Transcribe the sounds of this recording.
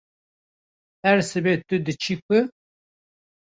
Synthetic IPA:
ɛɾsɨbet̪ɨd̪ɨt͡ʃʰikɨ

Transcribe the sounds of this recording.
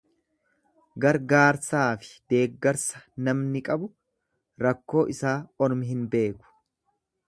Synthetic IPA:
ɡɐɾɡaːɾsaːfɪ̥d̪̥e̞ːɡːɐɾsɐ̥nɐmnɪkʼɐbʊ | ɾɐkːo̞ːʔɪsaːɔɾmɪɦɪnbe̞ːkʊ̥

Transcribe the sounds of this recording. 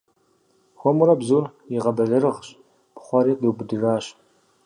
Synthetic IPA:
xʷɔmuɾɐbzuːr | jɪʁɐbɐɮɐɾɨʁɕ | pχʷɔɾiːqdɨwbɨdɨraːɕ

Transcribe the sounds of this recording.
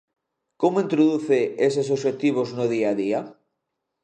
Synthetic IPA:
komoint̪ɾoðuθees̬es̬oʃet̪iβ̞oznoð̞iaðia

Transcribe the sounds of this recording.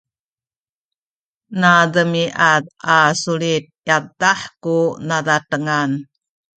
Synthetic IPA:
nadəmiʔatasulit̪̚jataħkunadatəŋan

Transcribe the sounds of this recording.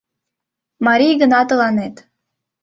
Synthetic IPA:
mɑɾʲijɡənɑt̪ɤ̆lˠɑnet̪

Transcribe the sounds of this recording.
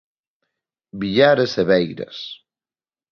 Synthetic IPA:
biʎaɾeseβɛjɾɐ̰s

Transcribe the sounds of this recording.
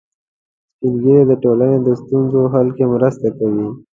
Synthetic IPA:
spinɡəɾed̪əʈolaned̪əst̪unzoɦalkemɾəst̪akawi

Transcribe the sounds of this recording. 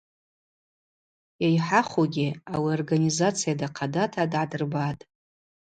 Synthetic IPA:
jajħaχoɡʲɪawiorɡanizat͡sʰijadaqʰadatʰadʕadɨrbatʼ

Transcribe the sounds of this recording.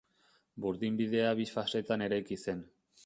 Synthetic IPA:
buɾðimbið̞e̞aβifase̞t̪ane̞ɾajkise̞n

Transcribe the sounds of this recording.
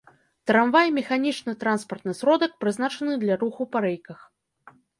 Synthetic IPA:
t̪ɾamvajmʲɛxanʲit͡ʂnɨt̪ɾanspɐrt̪nɨsɾɔd̪ɐk̚pɾɨznat͡ʂɐnɨd̪lʲaɾuxupɐɾɛjkɐx

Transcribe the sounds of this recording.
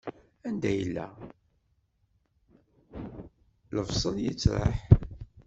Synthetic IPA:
ænd̪æjəlːæ̰ | ləvsˤəljət͡sːɾˤə̰ħ

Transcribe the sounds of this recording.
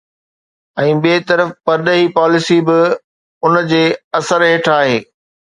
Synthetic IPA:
ɛ̃ːɓeːt̪ɐɾəfpɐɾɗəɦipaːlɪsibɪ | ʊnd͡ʑeːɐsəɾɦeːʈʰaːɦeː

